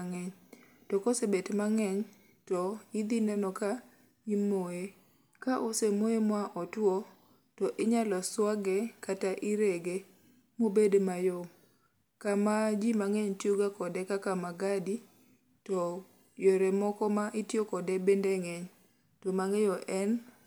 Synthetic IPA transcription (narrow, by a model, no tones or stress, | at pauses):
ŋɛɲ | tɔkosebetmaŋɛɲ | tɔid̪inɛnɔka | imoe | kaʔosemoemwaʔɔtwɔ | tɔʔɪɲalɔswaɡɛkataʔɪɾeɡe | mobedmajɔ | kamad͡ʒimaŋɛɲtjuɡakɔdɛkakamaɡadi | tɔ | jɔɾɛmɔkɔmaʔɪtjokɔdɛbendɛŋɛɲ | tɔmaŋejɔʔɛn